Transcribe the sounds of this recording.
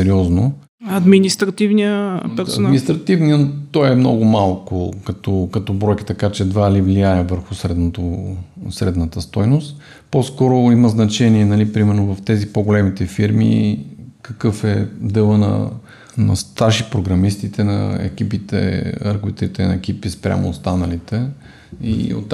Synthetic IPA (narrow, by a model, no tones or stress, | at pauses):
sɛɾiɔzno | ɐd̪minist̪ɾɐt̪ivniəpɛɾsʊɐdnminist̪ɾɐt̪ivniənt̪ɔjɛmnɔ̰ɡʊmalˠkʊkɐt̪ɔkɐt̪ɔbɾɔjki̥t̪ɐkat͡ʃɛd̪valivlijajɛvəɾxʊsɾɛd̪not̪osɾɛd̪nət̪əst̪ɔjnʊst̪ | poskɔɾʊimɐznɐt͡ʃɛniɛnɐlipɾimɛɾnovɐft̪ɛzipoɡolɛmit̪ɛfiɾmḭ | kɐkɤfɛd̪əlˠənɐ̰ | nɐst̪aʃipɾoɡɾɐmist̪it̪ɛnɐ̰ɛ̰kipit̪ɛ̰əɾkvit̪ɾit̪ɛnɐ̰ɛkipispɾʲa̰mo̰ːst̪anəlit̪ɛ | ḭo̰t̪